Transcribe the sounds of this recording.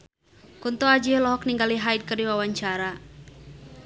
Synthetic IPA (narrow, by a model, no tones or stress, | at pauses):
kunt̪ɔad͡ʒilɔɦɔk̚niŋɡaliɦajd̚kərdiwawaɲt͡ʃaɾa